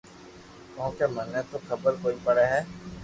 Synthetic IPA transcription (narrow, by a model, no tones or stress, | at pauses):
koɦkemənːet̪okəbəɾkoːipəɽeɦɛː